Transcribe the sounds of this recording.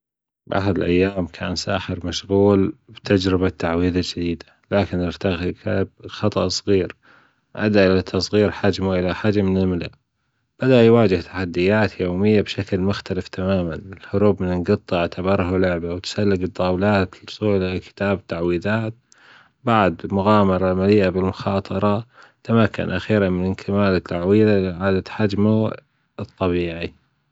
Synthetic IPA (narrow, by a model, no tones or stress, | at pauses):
bʔa̰ħad̪ɪlʔa̰jːaːmkʰa̰ːnsa̰ːħɪɾmaʃɣuːlbt̪ʰad͡ʒɾɪbat̪ːaʕwiːðald͡ʒɪd̪iːd̪ḁ | laːkɪnʔɪɾt̪aɣkab̚xɑt̪ˤɑʔsˤɣiːɾ | ʔa̰d̪aʔɪlat̪ʰːɑsˤɣiːɾħad͡ʒmuʔɪlaħaːd͡ʒamɪnɪlmɪla̰ʔ | b̥ad̪aʔjwaːd͡ʒɪht̪ʰaħad̪ːɪjaːt̪joːmɪjːabʃaklmʊxt̪alɪft̪ʰamaːmanɪlhʊɾuːbmɪnɪnɡɨt̪ˤːɑaʕt̪ʰabɑɾˤɦalʊʕbawt̪salːɪɡɨd̪ˤːɑːwlaːt̪̚ʊ̥sˤuːlaakɪ̥t̪aːbt̪ːaʕwiːðaːt̪̚ | baʕd̪mʊɣaːmɑɾˤɑlmaliːʔabɪlmʊxɑːt̪ˤɑɾˤɑt̪amakːa̰nʔa̰xiːɾanmɪnɪnkʰamaːlɪt̪ʰːaʕwiːðaʕaːd̪aħad͡ʒma | ɨt̪ˤːɑbiːʕi